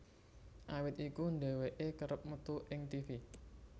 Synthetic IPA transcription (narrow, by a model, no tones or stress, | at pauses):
ʔawɪt̪̚ikunɖeweʔekəɾəp̚mət̪uʔɪŋt̪ifi